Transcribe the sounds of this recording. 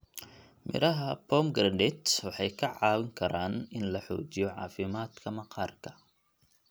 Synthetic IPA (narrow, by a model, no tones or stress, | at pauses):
mɪ̰ɾɐɦɐpʰɔːmɡɾɐndɛt̪wɑħɑjkʰɐʕɑːwɪŋkʰɐɾaːnɪnlɐħɔ̰ːt͡ʃɪjɔʕɑ̰ːfɪmaːd̪kʰɐmɐqɑːrkʰɐ̥